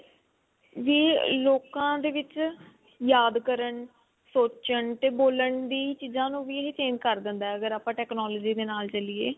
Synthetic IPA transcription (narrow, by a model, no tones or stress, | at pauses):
ʋiːloːkãːd̪eːʋɪt͡ʃ | jaːd̪kəɾəɳ | soːt͡ʃəɳt̪eːboːləɳd̪iːt͡ʃiːzãːnũːʋiːɦet͡ʃeːnkəɾd̪ɪnd̪aɛəɡəɾaːpãːʈɛːknɔːloːd͡ʒiːd̪eːnaːlt͡ʃəlieː